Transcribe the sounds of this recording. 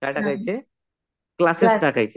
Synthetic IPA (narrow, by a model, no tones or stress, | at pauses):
kajɖakajt͡ɕe | klasesɖakajt͡ɕ